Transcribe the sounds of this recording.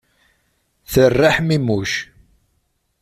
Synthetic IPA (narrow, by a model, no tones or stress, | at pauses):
θərːaħmimuʃ